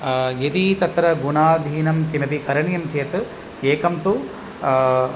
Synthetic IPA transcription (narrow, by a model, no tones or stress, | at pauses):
jɐd̪it̪ɐt̪ɾɐɡunaːd̪ʱiːnɐmkimɐpikɐɾɐɳjɐmt͡ʃeːt̪ | eːkɐmt̪u